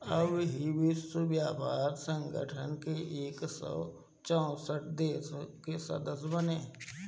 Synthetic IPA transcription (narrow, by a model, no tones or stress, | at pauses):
əbɦiʋɪswəbjaːpaːɾsə̃ŋɡə̰ʈʰənkeʔeːksɔ̰ | t͡ʃɔ̃səʈ̚d̪eːskesɐ̰d̪əsbəneː